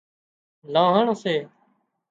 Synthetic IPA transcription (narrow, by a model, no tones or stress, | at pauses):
lãːɦaːɳoːseː